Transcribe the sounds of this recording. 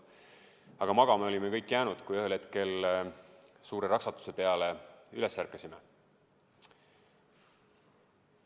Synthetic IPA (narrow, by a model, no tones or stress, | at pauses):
ɑɡ̥ɑmɑɡ̥ɑme̞o̞lʲimekɤjkːˑjæːnud̪̥kujøɦelhet̪ke̞l | suːɾe̞ɾɑksɑt̪ːˑu̥se̞pe̞ɑle̞yle̞sːærkːˑesime